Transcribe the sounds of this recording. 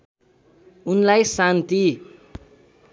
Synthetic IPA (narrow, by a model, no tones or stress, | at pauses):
unlajsant̪i